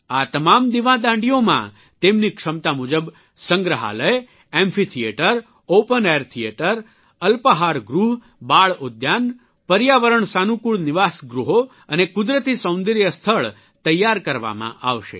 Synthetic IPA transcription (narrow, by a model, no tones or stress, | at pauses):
at̪əmamd̪iʋãd̪ãɳɖijomã̰ | t̪emnikʂəmt̪amud͡ʒəb | səŋɡɾəɦa̰ləj | ẽmfit̪ʰieʈəɾ | opəneɾt̪ʰieʈəɾ | əlpəɦaɾɡɾuɦ | baɭod̪jan | pəɾjaʋəɾəɳsanukuɭniʋasɡɾuɦo | ənekud̪ɾət̪isə̃w̃nd̪iɾjəst̪ʰəɭ | t̪əjːaɾkəɾʋa̰mã̰ʔaʋʃḛ